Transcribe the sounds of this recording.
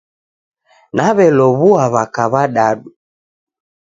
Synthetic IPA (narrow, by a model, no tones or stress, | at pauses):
naβɛlɔβuaβakaβaɗaɗu